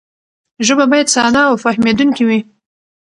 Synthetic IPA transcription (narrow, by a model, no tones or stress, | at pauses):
ʒəbabɑjad̪sɑnɑːwfahmed̪uŋkiwi